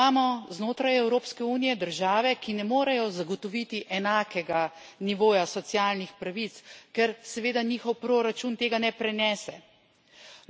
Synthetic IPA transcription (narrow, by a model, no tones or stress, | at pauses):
aːmɔznoːt̪ɾajɛwɾoːpskɛuːnijɛd̪əɾʒaːʋɛkinɛmoːɾajɔzaɡɔt̪ɔʋit̪iʔɛnaːkɛɡaniʋoːjasɔt̪sijaːlnixpɾaʋit̪skɛɾsɛʋeːd̪aniːxɔwpɾoːɾat͡ʃunt̪eːɡanɛpɾɛnɛːsɛ